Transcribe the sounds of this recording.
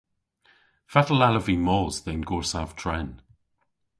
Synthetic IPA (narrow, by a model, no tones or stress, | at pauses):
fɛtəlaləvimɔːzðenɡɔɹsav̥tʰɹ̥ɛn